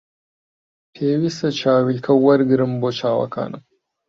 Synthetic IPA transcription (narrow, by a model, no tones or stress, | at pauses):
pʰeːwisɐt͡ʃʰaːwilkʰɐwɐɾɡɨɾɨmbot͡ʃʰaːwɐ̰ka̰ːnɨ̰m